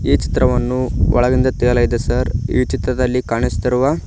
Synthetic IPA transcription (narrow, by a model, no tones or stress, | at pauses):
iːt͡ʃi̥t̪ɾɐʋɐnːuɔ̰ɭɐɡind̪ɐt̪ijɐlɐjid̪esɐɾiːt͡ʃit̪ɾɐd̪ɐlːikaːɳist̪iɾuʋa